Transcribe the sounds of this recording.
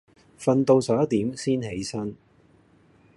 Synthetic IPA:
fɐ˧nt̪o˧wsɐː˨˥ɐ˥t̪iː˨˥msiː˥nhe˨˥jsɐ˥n

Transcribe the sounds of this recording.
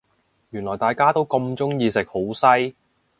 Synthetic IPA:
jyː˨˩nlɔː˨˩jt̪aː˨jkaː˥t̪o˥wkɔ˧mt͡sʊ˥ŋjiː˨˧sɪ˨k̚ho˨˥wsɐ˥j

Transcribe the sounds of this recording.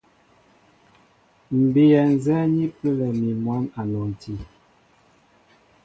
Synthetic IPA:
m̩˨be˨jɛ˨n˨zɛ˦ɲi˦pə˦lɛ˨mi˨mwa˦ma˨nɔ˨n˨ti˦

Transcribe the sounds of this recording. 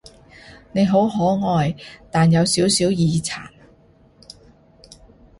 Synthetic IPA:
ne˨˧jɦo˨˥wɦɔː˨˥ŋɔː˨˧jt̪aː˨njɐ˨˧wsiː˨˥wsiː˨˥wjiː˨˧t͡sʰa̰ː˨˩n

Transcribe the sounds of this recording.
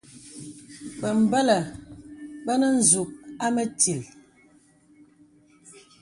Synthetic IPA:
bə˨m̩˨bə˦lə˨ | ɓə˦nə˦n̩˦˨zu˨k̚a˦mə˦ti˨l

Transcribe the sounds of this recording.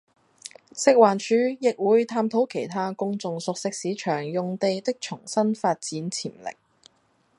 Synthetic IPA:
sɪ˥k̚waː˨nt͡ʃʰyː˨˧˥jɪ˨k̚wuː˨˧jt̪ʰaː˧mt̪ʰo˨˥wkʰe˨˩jt̪ʰaː˥kʊ˥ŋt͡sʊ˧ŋsʊ˨k̚sɪ˥k̚siː˨˥t͡ʃʰœː˨˩ŋjʊ˨ŋt̪e˨jt̪ɪ˥k̚t͡ʃʰʊ˨˩ŋsɐ˥nfaː˧t̚t͡siː˨˥nt͡sʰiː˨˩mlɪ̰˨˩k̚

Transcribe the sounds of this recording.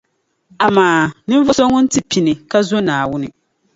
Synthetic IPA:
a˨maː˨nɨ˦ɱ˦vʊ˦so˦ŋʊ˦n̩˦tɨ˨pi˨nɨ˨ka˦zo˦naː˨wʊ˦nɨ˨

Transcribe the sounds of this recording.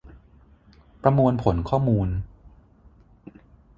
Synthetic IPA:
pɾa˧mu˧ənpʰo˩˦nkʰɔː˥˩muː˧n

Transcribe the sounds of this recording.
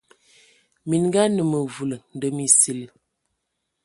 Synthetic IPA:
mi˨n˦ɡa˦nə˨mə˨vu˨lə˨n˨də˨mi˨si˨l

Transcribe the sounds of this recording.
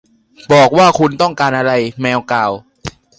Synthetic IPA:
bɔː˨˩k̚waː˥˩kʰu˧nt̪ɔ˥˩ŋkaː˧nʔa˧ɾa˧jmɛː˧wkaː˨˩w

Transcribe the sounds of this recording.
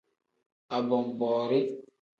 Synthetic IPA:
a˨bɔ˨m˨bɔː˨ɾi˦

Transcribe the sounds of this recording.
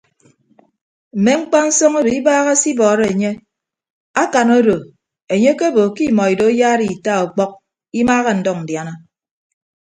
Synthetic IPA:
m̩˨me˨˦ŋ͡m̩˦k͡pa˦n̩˦sɔ˦ŋo˦do˨i˦baː˦ɣa˦si˦bɔː˨ɾe˦e˨ɲe˦ | a˦ka˨no˦do˨ | e˨ɲe˦ke˦bo˨ki˦mɔ˨i˨do˨˦jaː˦ɾi˦˨i˨ta˦˨o˨k͡pɔ˦k̚ | i˦maː˦ɣe˦n̩˨dɔ˦k̚n̩˨dja˨na˦

